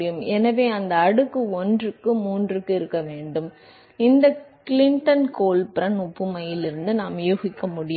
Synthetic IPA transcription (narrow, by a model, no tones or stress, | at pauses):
ɪjɯmɛnɐʋeːɐnd̪ɐːɽɯkːɯɔndrɯkːɯmuːndrɯkːɯɪɾɯkːɐʋeːɳɖɯm | ɪnd̪ɐkɪlɪɳʈɐnkoːlpɪɾɐnʊpːɯmɐjɪlɪɾɯnd̪ɯnaːmjuːɣɪkːɐmʊɽɪj